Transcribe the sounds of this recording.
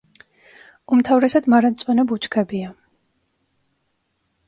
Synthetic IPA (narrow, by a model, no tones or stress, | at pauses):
umt̪ʰavɾɛsad̪maɾant̪sʼwɛnɛbut͡ʃʰkʰɛbia